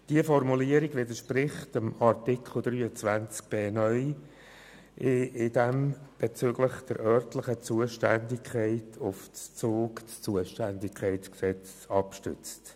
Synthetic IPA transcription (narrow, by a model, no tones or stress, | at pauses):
d̥iəfɔrmuliəɾiɡʋɪdəʃprɪχtəmɑrtɪkʰl̩d̪ɾyːət͡svænt͡sk̚b̥eːnœʏ | ʔɪɪd̥ɛmb̥et͡sʏɡ̥lɪχd̥əɾʔœɾtləχət͡suəʃtændɪkʰχɛɪtʰʊft͡st͡soːkt͡st͡suəʃtændɪkʰχɛɪtt͡sksɛt͡s | ɑpʃtʏ̰t͡st